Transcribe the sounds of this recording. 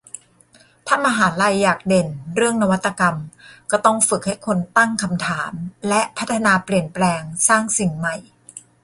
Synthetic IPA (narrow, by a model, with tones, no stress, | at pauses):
t̪ʰa˥˩maː˧ɦaː˩˦nla˧jːaː˨˩k̚de˨˩nɾɯ˥˩əŋna˦˧wa˦˥t̪ːa˧ka˧mkɔː˥˩t̪ɔ˥˩ŋfɯ˨˩k̚ha˥˩jkʰo˧nt̪a˥˩ŋkʰa˧mt̪ʰaː˩˦mlɛ˦˥ʔpʰa˦˥t̪ʰːa˧naː˧pli˨˩ənplɛː˧ŋsaː˥˩ŋsi˨˩ŋma˨˩j